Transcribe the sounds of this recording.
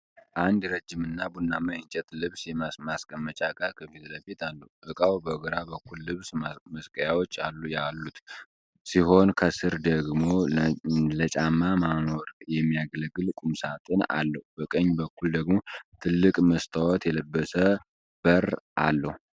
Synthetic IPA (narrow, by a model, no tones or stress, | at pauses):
ʔand̪ɾəd͡ʒːɪmɨnːabunːamajɨnt͡ʃʼɛt̪lɨβsjɛmamaskʼəmːət͡ʃʼaɡʼaɾkʰəfizləfet̪alːəuʔɨkʼawbəɡəɾabəkʰːullɨβsməskʼəjawot͡ʃːalːjalːut̪ | siɦo̞nkʰəsɨɾd̪əɡmo̞ | lət͡ʃʼamːamano̞ɾjɛmːijaɡləɡɨlkʼumsat̪ʼɨna̰lːəhubəkʼəɲːbəkʰːuld̪əɡmo̞t̪ʰɨlːɨkʼməst̪ʰawɔt̪jɛləbːəsə | b̥əɾʔa̰lːəhu